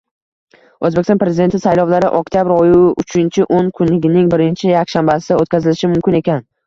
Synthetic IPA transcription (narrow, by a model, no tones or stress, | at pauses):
ɵzbekʲsnpɾe̞zɪd̪e̞nt̪ʰɪsajlɒwlaɾɪʔɒk̚ʲt̪ijabɾɒjuʊt͡ʃʰɪnt͡ʃʰɪʔonkʰʊnlɪɡʲɪnɪŋbɪɾɪnt͡ʃʰɪjakʲʃambasɪd̪aot̪̚ʲkʲazɪlɪʃɪmʊmkʲɪne̞kʲan